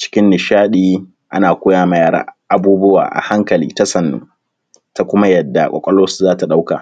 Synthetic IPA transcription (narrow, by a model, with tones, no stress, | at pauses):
t͡ʃɪ̥˦kʲɪ˦nːɪ˨ʃaː˦ɗiː˦ | ʔa˦naː˨kʷoː˦jaː˦˨ma˨jaː˦ɾa̰ː˦ʔa˨buː˦bʊ˦wa̰ː˨ʔa̰˨ha˦ŋkɐ˨liː˦ta˦sɐ˨nːṵː˦ | ta˨kʷʊ˦ma˦jɐ˨dːa̰˨kʷʼɔ̰˨kʷʼɔ˦loː˦su̥˨zaː˦ta˨ɗa˦wka̰˨